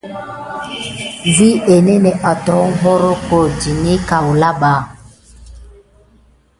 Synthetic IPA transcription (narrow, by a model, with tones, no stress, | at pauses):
vi˦e˨nɛ˦nɛ˨ʔa˨tɔ˨˦ŋ̩˦ɦɔ˦ɾo˦ko˨d͡ʒi˨ni˦ka˨wu˨la˦ɓa˨